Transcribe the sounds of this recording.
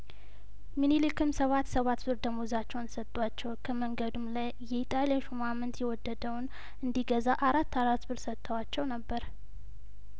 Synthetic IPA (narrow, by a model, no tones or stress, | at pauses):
minilikʰɨmsəβat̪ːsəβat̪bɨɾd̪əmozat͡ʃːɛwnsət̪ʼːwat͡ʃːɛwkʰəməŋɡəd̪umlajːɛit̪ʼalijaʃumamɨnt̪jɛwɔd̪ːəd̪əwn | ɨnd̪iɡəzaʔaɾat̪ːaɾat̪bɨɾsət̪ʼːəwat͡ʃːɛwnəbːəɾ